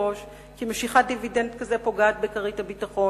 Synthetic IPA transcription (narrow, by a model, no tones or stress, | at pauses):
o̞ʃ | kimeʃiχad̪ividendkazepo̞ɡaːt̪bekɐʁithabitaχo̞